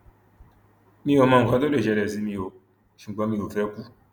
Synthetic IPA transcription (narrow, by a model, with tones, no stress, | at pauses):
mĩ˦jo˨mã˨ŋ̩˨ka˦do˦le˨d͡ʒɛ˨ɾɛ˨zi˦mĩ˨jo˨ | ʃi˨ɡ͡ba˦mi˨jo˨fɛ˦ku˦